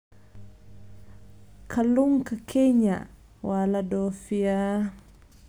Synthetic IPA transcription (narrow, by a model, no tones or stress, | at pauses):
kʰaluŋkakʰɛɲa̰ | waladɔfia